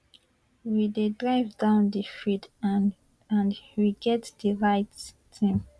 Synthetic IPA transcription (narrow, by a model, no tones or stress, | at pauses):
widedɹaɪvdãʊ̃ndifit | ãndwiɡɛtdiɹaɪt | dĩm